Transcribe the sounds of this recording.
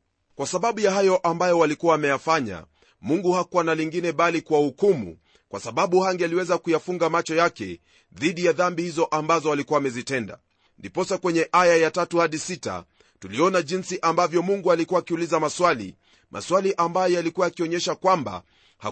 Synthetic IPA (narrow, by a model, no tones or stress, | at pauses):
kwasaɓaɓujahajɔʔambajɔwalikuwaːmɛjafaɲa̰ | muŋɡuhakuwanaliŋɡinɛɓalikuwahukumṵ | kwasaɓaɓuhaŋɡɛaliwɛzakujafuŋɡamat͡ʃɔjakɛ | ðiɗijaðambihizɔʔambazɔalikuwaːmɛzitɛnda̰ | ndipɔsakwɛɲɛʔajajatatuhaɗisita̰ | tuliɔnaʄinsiʔambavjɔmuŋɡualikuwaːkiulizamaswalḭ | mʔa̰swaliʔambajɔjalikuwaːkiɔɲɛʃakwamba̰ | ha